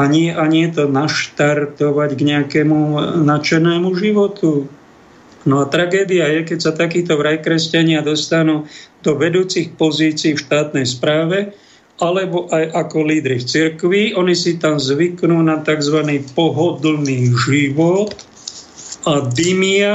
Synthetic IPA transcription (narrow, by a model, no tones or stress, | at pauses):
aɲɪɛʔaɲɪɛt̪ɔnaʃt̪aɾt̪ɔʋaɟɡɲɛakɛmunat͡ʃɛnɛːmuʒiʋɔt̪u | nɔat̪ɾaɡɛːd̪iajɛkɛcsat̪akiːt̪ɔʋɾajkɾɛscaɲɪad̪ɔst̪anuːd̪ɔʋɛd̪uːt͡sixpɔziːt͡siːfʃt̪aːt̪nɛjspɾaːʋɛ | ʔalɛbɔʔajʔakɔliːd̪ɾift͡siɾkʋiʔɔnisit̪amzʋiknuːnat̪aɡzʋaniːpɔɦɔd̪l̩niːʒiʋɔt̪ | ad̪imia